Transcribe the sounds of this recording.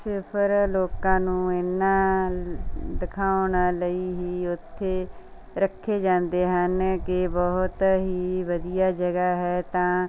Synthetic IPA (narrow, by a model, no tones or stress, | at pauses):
sɪpʰəɾloːkãːnũːɪnːãː | d̪ɪkʰaːʊnaːləiːɦiːʊt̪ʰːeː | ɾəkʰːeːd͡ʒãːnd̪eːɦənkɪbɔɦʊt̪ɦiːʋəd̪ijaːd͡ʒəɡaːɦɛːt̪ãː